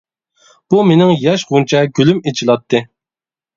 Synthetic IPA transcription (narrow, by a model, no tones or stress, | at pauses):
b̥umenɪŋjɑʃʁunt͡ʃʰɛɡʲylymet͡ʃʰilˠɑt̪ʰːɨ